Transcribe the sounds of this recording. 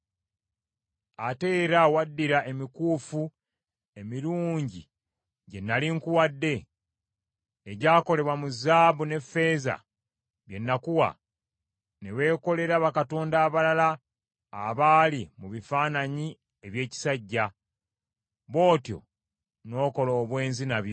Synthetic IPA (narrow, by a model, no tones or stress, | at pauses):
ate̞ːɾawadːiɾaʔe̞mikuːfu | e̞miɾuːɲɟi | ɟe̞nːaliŋkuwadːe̞ | eɟaːko̞le̞βwamuzaːβune̞fe̞ːza̰ | βje̞nːakuwa̰ | ne̞βe̞ːko̞le̞ɾaβakato̞ːndaːβalalaː | βaːlimuβifaːnaɲi | e̞βje̞ːci̥saɟːa | βo̞ːtjo̞̰ | no̞ːko̞lo̞ːβwe̞ːnzinaβjo